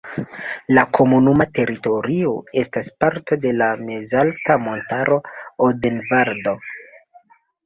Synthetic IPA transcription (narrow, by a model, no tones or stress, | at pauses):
lakʰo̞munumate̞ɾito̞ɾio̞e̞staspaɾto̞de̞lame̞zaltamo̞ntaɾo̞odenvaɾdo̞